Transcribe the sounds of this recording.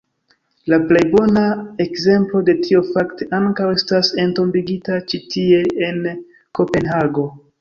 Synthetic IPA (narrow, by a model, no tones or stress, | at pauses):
laple̞jbo̞naekze̞mplo̞de̞tʰio̞fakteʔaŋkawestase̞nto̞mbiɡitat͡ʃitie̞en | ko̞pe̞nɦaɡo̞